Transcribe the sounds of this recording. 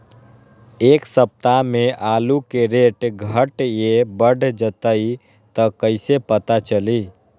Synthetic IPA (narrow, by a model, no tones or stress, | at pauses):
eːksəp̚t̪ameʔaːlukeɾeʈɡʱəʈjebəɖʱd͡ʒət̪əi | t̪əkəɪsepət̪at͡ʃəli